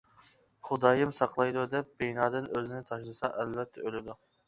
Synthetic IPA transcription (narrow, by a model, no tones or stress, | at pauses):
χʊd̪ɑːjɨmsɑqlˠɑjd̪ud̪ɛp̚b̥ejnɑːd̪ɪnøzɪnɪt̪ʰɑʃlˠɨsɑʔælvɛt̪ʰːɛølɪd̪u